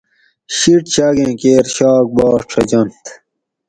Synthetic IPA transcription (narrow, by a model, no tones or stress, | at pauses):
ɕiʈt͡ɕaːɡẽːkeːɾɕaːk̚bɑːʂʈ͡ʂʰɐd͡ʑɐnt̪